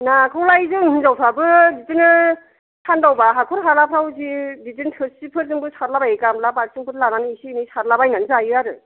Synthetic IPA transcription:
nakʰɯwlajzɯŋhɯnzawsʰabɯditɯnɯ | tʰandawbaɦakʰɔɾɦalapʰɾawziditɯntʰɯɾsipʰɯɾzɯŋbɯsʰaɾlabajkamlapaɾsɯŋpʰɯɾlananɯisinɯjsaɾlabajnanɯzajɯaɾɯ

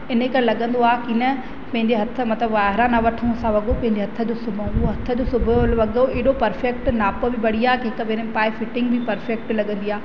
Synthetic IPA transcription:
ɪnəkɐɾlɐɠə̃nd̪oaːkinə | pɐ̃ɦɪ̃ɲd͡ʑeɦɐt̪ʰə̆mɐt̪ləbʋaːɦɾãnɐʋɐʈʰənsãʋɐɠopɐ̃ɦɪ̃ɲd͡ʑeɦɐt̪ʰə̆d͡ʑoːsʊbʱə̃uoɦɐt̪ʰəd͡ʑoːsʊbʱəlʋɐɠoeːɗopɐɾfek̚ʈnaːpobɪbɐɽ̤iaːkɦɪkɐbenəpaːefɪʈɪ̃ŋɡ̚bɪpɐɾfek̚ʈlɐɠə̃nd̪iaː

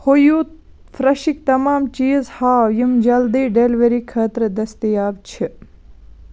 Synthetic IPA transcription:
hojuː | fɾɐʃik̚t̪ɐmaːmt͡ʃiːzhaːjimd͡ʒɐld̪iːɖeːlʋeɾiːkʰɐːt̪ɾed̪ɐst̪ijaːbt͡ʃʰi

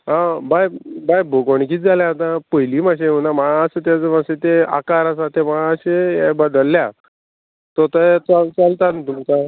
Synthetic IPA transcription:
ɦãbajbajboɡoɳ̃ikiːt͡sd͡zaljãɦt̪ãpəjliːmaɕeunaməɭãːsət̪̬jat͡səmaset̪ea̰kaɾasat̪ʰeməɭãəɕejebəd̪əlːja | t̪ot̪ət͡salt͡salt̪ant̪umt͡sa

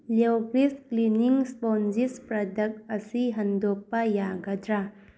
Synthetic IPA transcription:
lewkɾiskliniŋspɔnd͡ʒispɾɐdɐk̚ɐsiɦɐndopːɐjaɡɐdɾa

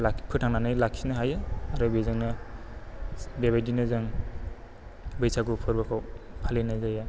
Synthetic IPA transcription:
lapʰɯtʰaŋnanɯjlakʰːsinɯɦajaaɾɔbezɯŋnɯ | beβajdinɯzaŋ | bɯjsaɡupʰɯɾbakʰawpʰalenazaja

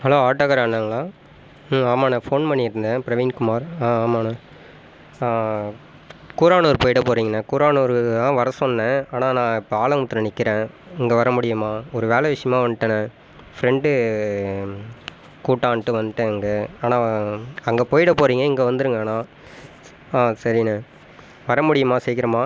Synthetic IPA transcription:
hɐloːaːʈːɐɣɐɾaːnaːŋɡɐɭãː | aːmaːnɐfoːnpɐɳːɪɾɯnd̪ɐ̃pɪɾɐʋiːnkʊmaːɾaːaːmaːnɐ | kuːɾaːnoːɾɯpoːjɪɽɐpoːɾiːŋɡɐnɐkuːɾaːnoːɾɯãːʋɐɾɐsɔnːɛ̃aːnãːnãːɪpːɐaːlɐmʊt̪ːɯɾɐ̃nɪkːɪɾẽː | ɪŋɡeʋɐɾɐmʊɽɪjɐmaːɔɾɯʋeːlɐʋɪʂɐjɐmãːʋɐnɯʈːɐnɐ | fɾɛɳɖɯ | kuːʈːaːnʈːɯʋɐnd̪ɯʈːɯɐŋɡɐaːnãːɐŋɡɐpoːjɪɽɐpoːɾiːŋɡɐɪŋɡeʋɐnd̪ɯɾɯŋɡaːnãː | aːsɐɾinɐ | ʋɐɾɐmʊɽɪjɐmaːsɛjkɪɾɐmaː

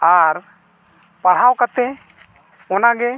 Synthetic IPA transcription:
aɾ | paɽ̤awkat̪ɛ | ɔnaɡɛ

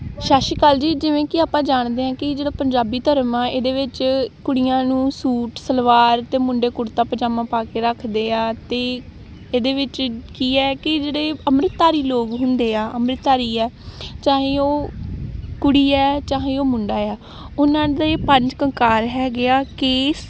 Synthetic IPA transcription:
ʃaːʃiːkaːld͡ʒiːd͡ʒɪʋẽːkɪaːpãːd͡ʒaːɳd̪eːãːkɪd͡ʒeːɽaːpəɲd͡ʒaːbiːt̪əɾəmãːeːd̪eːʋɪt͡ʃkʊɽijãːnũːsuːʈsəlʋaːɾt̪eːmʊ̃ɳɖeːkʊɽt̪aːpəd͡ʒaːmãːpaːkeːɾəkʰd̪eːaːt̪eː | eːd̪eːʋɪt͡ʃkiːɛːkɪd͡ʒeːɽeːəmɾɪt̪ːaːɾiːloːɡɦʊ̃nd̪eːaːʔəmɾɪt̪ːaːɾiːɛːt͡ʃãːɦẽːoː | kʊɽiːɛːt͡ʃãːɦeĩːoːmʊ̃ɳɖaːɛː | ʊnãːd̪aepəɲd͡ʒkəŋkaːɾɦɛːɡɪaːkeːs

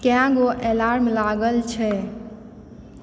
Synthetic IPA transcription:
kjãɡoʔelaɾmlaɡəlt͡ʃʰɛ

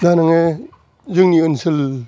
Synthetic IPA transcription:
nanaŋe | zɯŋniənsil

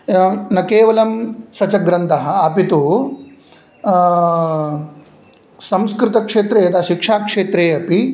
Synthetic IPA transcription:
nɐkeːʋɐlɐmsɐt͡ʃɐɡɾɐnt̪ʰɐɦɐ̆ɐpit̪u | sɐ̃mskɾɪt̪ɐkʂeːt̪ɾeːɐt̪aːʃikʂaːkʂeːt̪ɾeːɐpi

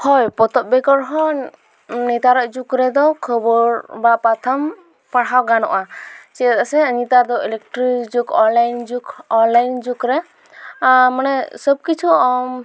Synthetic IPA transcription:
hɔjpɔt̪ɔp̚bɛkɔɾɦɔ̃ | nit̪aɾɔʔd͡ʒukɾɛd̪ɔkʰəbɔɾbapat̪ʰam | paɽɦawɡanɔ̰ʔat͡ʃɛt̪asɛnit̪aɾd̪ɔilɛk̚ʈɾid͡ʒukɔnlajnd͡ʒukɔnlajnd͡ʒukɾɛ | manɛsɔb̚kit͡ʃʰuɔm

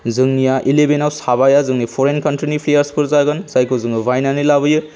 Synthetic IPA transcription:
zɯŋnijaʔilebenawsaβajazɯŋnijpʰoɾenkɐntɾinipʰlejaɾspʰɯɾzaɡɯnzajkʰozɯŋɯbʱajnanilaβɯjɯ

